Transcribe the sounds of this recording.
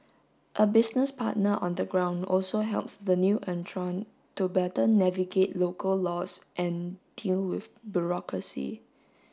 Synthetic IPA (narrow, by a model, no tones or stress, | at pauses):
ʔəbɪsnəspʰa̰t̚nəʔɔ̰̃nd̪əɡɹãʊ̃ndɔlsoɦɛ̰lpsdənjuʔɛ̃ntʰɹɔ̃n | tubɛtənɛviɡetlokʰəlːɔsʔɛ̃nd̥ilwɪfbjuɹɔkɹəsḭ